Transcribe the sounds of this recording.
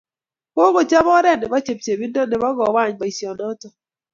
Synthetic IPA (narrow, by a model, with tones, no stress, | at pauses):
ko˦ɣo˨t͡ʃa˦βɔ˦ɾɛ˦nɛ˨ba˦t͡ʃe˨p̚t͡ʃe˨bi˦ndɔ˦nɛ˨ba˦ɡɔ˨wa˦˨ɲba˨i˨sjɔ˨nɔ˦tɔ˨